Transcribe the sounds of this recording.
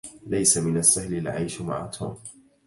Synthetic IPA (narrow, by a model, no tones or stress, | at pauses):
lajsamɪnasːahlɪlʕa̰jʃma̰ʕa̰t̪ʰṵːm